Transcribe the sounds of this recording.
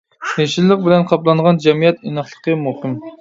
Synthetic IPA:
eʃilːəq̚bɪlɛnqʰɑplˠɑɴʁɑnd͡ʒɛmijɛt̪inəχlˠəqəmuhɨm

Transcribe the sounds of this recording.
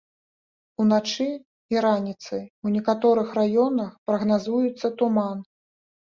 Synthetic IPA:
unat͡ʂɨ | iɾanʲit̪sɨunʲɛkat̪ɔɾɨxrajɔnɐxpɾɐɣnazujut̪sːɐt̪uman

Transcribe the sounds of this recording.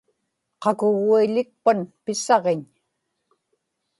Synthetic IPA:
qɑkʊɣuiʎɪk̚panpɪsɑʁeɲ

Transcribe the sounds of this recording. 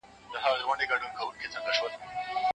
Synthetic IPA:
d̪əɦaɣɣwaɳɖeɡɐɽunkawunket͡sanɡ̪aʃwəl

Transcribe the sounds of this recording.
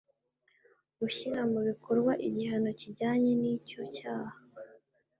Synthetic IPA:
ɡuçiɾamuβikʰoɾɡwaʔiɟiɦano̞ciɟaːɲe̞nico̞caːha

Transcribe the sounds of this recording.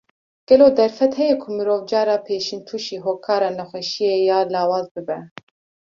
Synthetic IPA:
ɡ̥ɛloːd̪ɛɾfɛt̪hɛjɛkʰumɨɾoːvd͡ʒɑːɾɑːpʰeːʃint̪ʰuːʃiːɦoːkʰɑːɾɑːnɛxʷɛʃijejɑːlɑːwɑːzbɨbɛ

